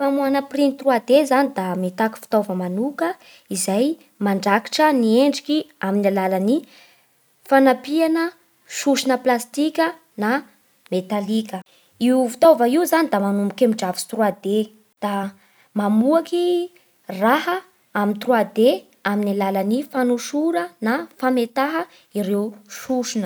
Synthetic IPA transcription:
famuanəprinit̪ruad̪ezanid̪amet̪aki̥fi̥t̪ovəmanukə | izaj | maɳɖ͡ʐaki̥ʈ͡ʂənieɳɖ͡ʐikʲiaminilalani | fanapianə | ʃuʃinəplast̪ikʲə | na | met̪alikʲə | iufi̥t̪ovaiuzanid̪amanumbikʲemiɖ͡ʐavist̪ruad̪e | d̪̥a | mamuaki | raɦə | amint̪rwad̪e | aminilalanifanuʃuɾənafamet̪aɦə | iɾewʃuʃinə

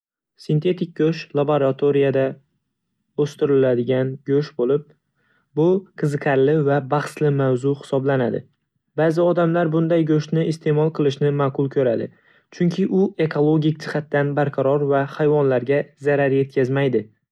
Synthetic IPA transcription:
sɪnt̪ʰe̞t̪ʰɪk̚ʲɡʲɵʃlˠaboɾat̪ʰoɾijad̪a | ɵst̪ɪɾɪlad̪ɪɡʲanɡʲɵʃbolɪp̚ | bʊqʰɨzɨqʰaɾlɪvabɑχslɪmawzʊhɪ̥sɒblanad̪ɪ̰ | baːzɪɒd̪amlaɾbʊnd̪ajɡɵʃnɪɪst̪e̞mɒlˠqʰɨlˠɪʃnɪmaːqʰʊlˠkʲʰɵɾad̪ɪ̰ | t͡ʃʰʊŋkʲʰɪʔʊe̞kʰolˠoɡʲɪk̚ʲd͡ʒɪχat̪ːanbaɾqʰɑɾɒɾvahajvɒnlaɾɡʲazaɾaɾje̞t̪̚kʲʰazmajd̪ɪ

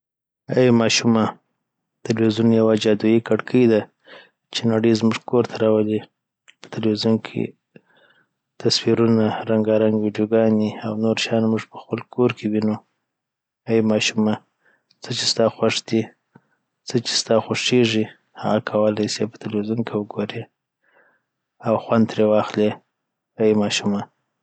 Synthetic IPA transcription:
amɑʃuma | t̪alwizunjawad͡ʒɑd̪ujikaɽkʰəjd̪a | t͡ʃenaɽəjzmuʐkoɾt̪ʰaɾɑwali | pə̥t̪alwizunkʰḛ | t̪aswiɾunaɾaŋɡɑɾaŋɡwiɖijoɡɑniawnoɾʃajɑnmuʐpə̥xpəlkʰoɾkʰewinu | aimɑʃuma | t͡sət͡ʃest̪ɑxwaʂd̪i | t͡sət͡ʃe̥st̪ɑxaʂeʐi | ha̰ɣakʰawəlajsepə̥t̪alwizunkʰewəɡoɾe | awxwand̪ɾewɑxle | aimɑʃuma

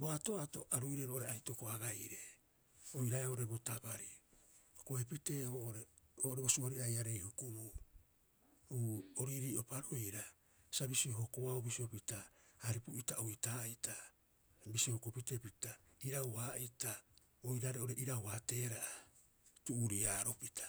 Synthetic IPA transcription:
boatoatoʔaɾujɾeɾoʔoɾeajtokoaɡajɾe | ojɾaeoʔoɾe̞botabaɾiokoepite̞ːoʔoɾeoːʔoɾebosuoɾiajaɾe̞jhukubu | uoɾiɾiːʔo̞paɾo̞jɾa | sabisioɦokoaobisio̞pitaaɾipuʔitaoitaːita | bisihokopite̞pitaiɾawaːʔita | ojɾaɾeʔoɾeʔiɾawate̞ːɾaʔa | tuːɾiaːɾo̞pitʰḁ

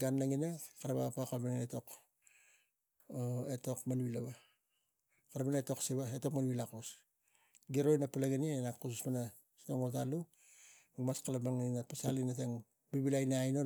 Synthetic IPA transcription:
ɡanːaŋinakaɾaβapakalmananeto̞k | eto̞kmanβilaβa | kaɾamaneto̞ksiβaeto̞kmanβilako̞s | ɡieɾojnapalaɡenienakususmana | stoŋotalu | ɡumaskalabaŋninapasalinateŋ | biβilajnaajno

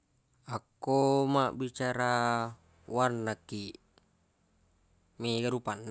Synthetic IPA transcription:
akːomaʔbit͡ʃaɾa | warnːakːi | meɡaɾupanː

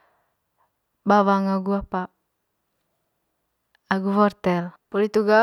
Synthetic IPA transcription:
bawaŋaɡuapa | aɡufɔrt̪ɛlpɔlit̪uɡa

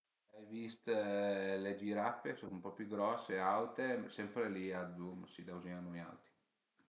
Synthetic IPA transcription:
ajvist̪ | led͡ʒiɾapːeksonmpɔpjuɡɾɔsːeawt̪esɛmpɾeliad̪umsid̪awzianuja̰wt̪i̥

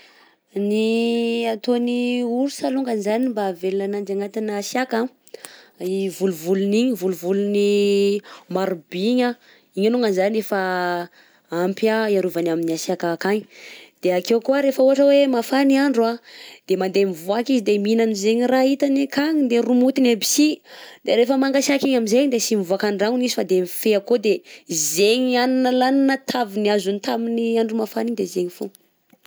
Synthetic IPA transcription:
niat̪oniuɾusaluŋɡənzanimbavelanand͡ʒaŋat̪inasjaka | vuluvuluniɲivuluvuluni | maɾubiɲa | iɲanuŋɡənzaniefa | ampiaiaɾuvanaminiasjakakaɲd̪̥eakewkuəɾefəuaʈ͡ʂəwemafaniaɳɖ͡ʐuad̪̥emand̪emivuakizid̪eminanizeɲirait̪anekaɲid̪erumut̪inebi̥sid̪̥eɾefəmaŋɡasakiɲaminzeɲd̪esimivuakaɳɖ͡ʐaŋunisi̥fad̪emifeakod̪ezeɲianinəlaninət̪ʰaviniazunit̪aminiaɳɖ͡ʐumafaniɲd̪ezeɲifu

